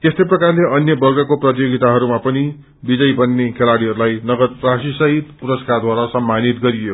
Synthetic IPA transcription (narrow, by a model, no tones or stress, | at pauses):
t̪est̪ʌjprʌkarleʔʌnjʌbʌrɡʌkoprʌt̪̬joɡit̪aɦʌɾumapʌni | bid͡zʌjbʌnːekʰelaɽiɦʌɾulajnʌɡʌd̪rasisʌɦit̪puɾʌskard̪waɾasʌmːanit̪ɡʌɾijo